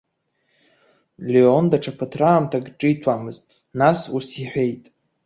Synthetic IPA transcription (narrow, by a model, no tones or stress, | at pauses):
leondaʈ͡ʂʰapʰatʰraːmtʰaɡʼʈ͡ʂʼɨitʰwamɨztʼ | nasusiħʷᶣe̞jtʼ